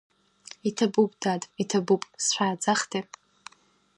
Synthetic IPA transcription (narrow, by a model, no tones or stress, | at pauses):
itʰabupʼdadʼitʰabupʼsʃʷᶣaːd͡zaχtʰi